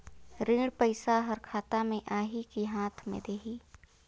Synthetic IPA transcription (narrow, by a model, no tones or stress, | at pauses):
ɾĩːɽpəɪsaɦəɾkʰaːt̪amẽʔaːɦikiɦaːt̪ʰmḛ̃d̪eːɦiː